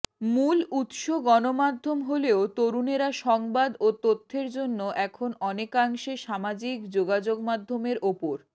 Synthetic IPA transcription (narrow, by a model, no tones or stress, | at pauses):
mulut̪ʃoɡɔnomad̪ʱːomɦoleot̪oɾuneɾaʃɔŋbad̪ot̪ot̪ʰːeɾd͡ʑonːoʔɛkʰonɔnekaŋʃeʃamad͡ʑikd͡ʑoɡad͡ʑoɡmad̪ʱːomeɾʔopoɾ